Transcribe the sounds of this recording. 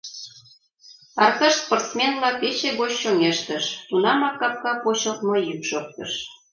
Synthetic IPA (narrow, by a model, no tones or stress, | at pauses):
ɑrt̪ɑʃsport̪t͡smenvlɑpet͡ɕeɣot͡ɕʃoŋeʃt̪əʃt̪unɑmɑkːɑp̚kɑpot͡ɕɤ̆lt̪mojykʃok̚t̪ɤ̰̆ʃ